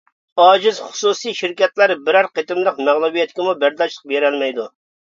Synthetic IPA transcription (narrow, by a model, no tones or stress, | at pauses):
hɑːd͡ʒɪzχʊ̥susijʃɪɾkʲɛt̪læɾbɪɾæɾqet̪ɪmlˠəqmæʁlˠubijɛt̪kʲɪmubæɾd̪ɑʃlˠə̥q̚beɾɛlmɛjd̪u